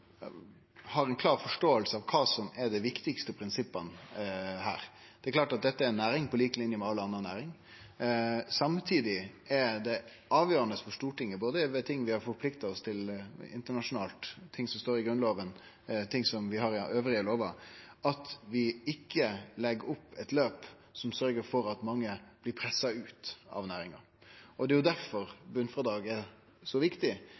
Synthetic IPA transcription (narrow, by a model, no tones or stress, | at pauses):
hɑɾɛnkʰlɑːɾfɔʂʈoːəlsəɑʋkʰɑːsɔmɛd̪ɛɪʋɪkt̪ɪkst̪əpʰɾɪnsɪpːənhæ̰ːɾ | d̪̥ɛklɑːʈɑt̪̚d̪ɛt̪ːəæɾɛnːæːɾɪŋpʰɔliːkəlɪnjəmɛɑlːəɑnd̪ənæːɾɪŋ | sɑmt̪ʰiːd̪ɪʔɛɾd̪ɛ | ʔɑːʋjøːɾɑnəspʰɔʂt̪uːʈɪŋːəboːd̪əʋɛt̪ʰɪŋːʋɪhɑɾfɔɾpʰlɪkt̪ɑɔst̪ʰɪlɪ̰nt̪əɳɑʂʊnɑːlt̪ʰːɪŋsɔmst̪oːɾɪɡɾʉnloːʋən | t̪ʰɪŋsɔmʋɪɦɑɾɪʔøːʋɾɪəloːʋɑɑt̪ʋɪɪkʰːəlɛɡːəɾɔpːɛt̪løːp | sɔmsœɾɡəɾfɔɾɑt̪mɑŋːəb̥lɪpʰɾɛsːɑʉːt̪ɑ̰ʋnæːɾɪŋɑ̰ | ɔd̪ɛæjʊd̪æɾfɔɾbʉnfʁɑd̪ɑːɡɛɾ | sɔʋɪkt̪ɪ